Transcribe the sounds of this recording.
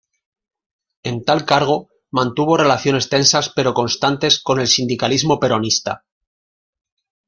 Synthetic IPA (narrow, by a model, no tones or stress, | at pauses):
e̞nt̪alkaɾɣ̞o̞ | mãnt̪uβ̞o̞re̞laθjo̞ne̞st̪e̞nsaspe̞ɾo̞ko̞nst̪ant̪e̞sko̞ne̞lsind̪ikalizmo̞pe̞ɾo̞nist̪a̰